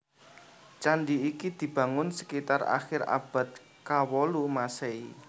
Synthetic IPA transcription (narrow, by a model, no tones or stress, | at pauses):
t͡ʃaɳɖiːkid̪̥i̤b̥ä̤ŋʊnsə̥kit̪ara̰xɪɾa̰b̥ä̤t̪̚ | kawɔlumasei